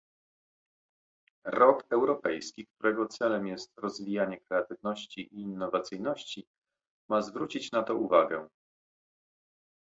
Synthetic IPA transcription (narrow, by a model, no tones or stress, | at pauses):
ɾɔkɛwɾɔpɛjskʲikt̪uɾɛɡɔt̪sɛlɛmjɛst̪ɾɔzvʲijaɲɛkɾɛat̪ɘvnɔɕt͡ɕiʔiːnːɔvat̪sɘjnɔɕt͡ɕi | mazvɾut͡ɕit͡ɕnat̪ɔuvaɡɛ